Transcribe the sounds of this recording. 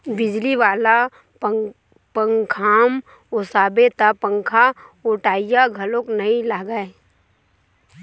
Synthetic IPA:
bɪd͡ʒliʋaːla | pəŋkʰaːm | ʊsaːbet̪apə̃ŋkʰaʊʈaːijaɡʱəlõknəĩlaːɡae

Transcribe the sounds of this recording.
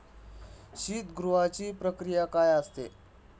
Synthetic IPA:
ɕiːt̪ɡɾuʋat͡ɕiːpɾəkɾijakajast̪ḛ

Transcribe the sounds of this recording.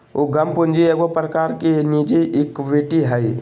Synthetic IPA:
oɡʱəmpʊnd͡ʒieːɡopɾəkaːɾkenid͡ʒeʔɪkbiʈiɦəi

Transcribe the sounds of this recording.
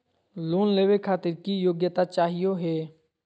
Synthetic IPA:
loːnleːʋekʰaːt̪ɪɾkiːjoːɡjət̪at͡ʃaːɦɪjoɦeː

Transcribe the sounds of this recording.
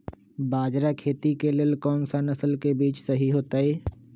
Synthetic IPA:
baːd͡ʒɾakʰeːt̪ikelɪlkɔːnsanɐsəlkebiːt͡ʃsɐɦiɦoːt̪aeː

